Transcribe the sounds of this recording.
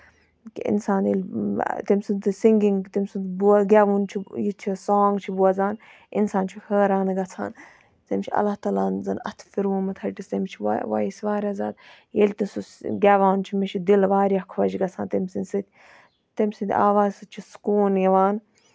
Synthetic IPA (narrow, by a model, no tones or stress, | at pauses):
kḭḭnsaːnjelʲt̪emʲsɨnt̪ɨsiŋɡiŋɡt̪imʲsɨnbuɡʲaːʋunt͡ʃʰijit͡ʃʰisaːŋɡt͡ʃʰibuɐzaːn | insaːnt͡ʃʰihəːɾaːnɨɡɐt͡sʰa̰ːn | t̪emʲt͡ʃʰiɐ̰laːht̪ɐlaːnzɐnɐ̰t̪ʰfiɾuːmɐt̪ʰɐʈist̪emʲt͡ʃʰiʋa̰jisʋaːɾʲaːzaːd̪jelʲt̪insusɡʲaːʋaːnt͡ʃʰimet͡ʃʰid̪ilʋaːɾʲjakʰʋɐd͡ʒɡɐt͡sʰa̰ːnt̪emʲsinʲsɨt̪̚ʲ | t̪emʲsɨnd̪ʰʲa̰ːʋaːzsɨt͡ʃʰiskuːnjɐʋaːn